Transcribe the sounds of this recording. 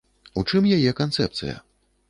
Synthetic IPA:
ut͡ʂɨmjajɛkant̪sɛ̰p̚t̪sɨ̰jɐ̰

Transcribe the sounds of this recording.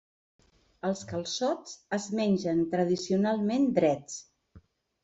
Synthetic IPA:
əlˠskəlˠsɔt͡səzmɛnʲʒənt̪ɾəð̞isiunalˠmend̪ɾɛt͡s

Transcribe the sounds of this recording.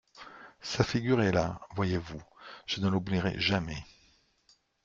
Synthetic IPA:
safiɡʲyʁɛlavwajevuʒ̥ənəlubliʁɛ̰ʒamɛ

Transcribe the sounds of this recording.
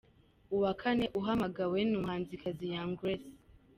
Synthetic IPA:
uwakʰane̞ʔuɦamaɡawenumhaːnzikʰazijaŋɡɾes

